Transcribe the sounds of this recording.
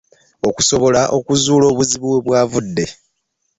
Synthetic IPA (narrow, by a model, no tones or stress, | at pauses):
o̞kuso̞βo̞laʔo̞kuzuːlo̞ːβuziβuwe̞βwaːvudːe̞